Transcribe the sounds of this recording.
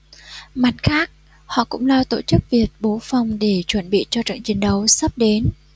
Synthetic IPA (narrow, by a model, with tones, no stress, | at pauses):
ma˨˩t̚xaː˦˥k̚ | hɔ̰˧˨kʊ̰˧˥ŋ͡mlaː˧wt̪o̰˧˩t͡ɕɨ˦˥k̚vi˨˩ət̚ɓo˨˦fa˨˩wŋ͡mɗe˧˩t͡ɕwə˧˩nɓḭ˧˨t͡ɕɔ˧t͡ɕə̰˧˨ŋt͡ɕi˨˦ŋɗə˨˦wsə˦˥p̚ɗe˨˦n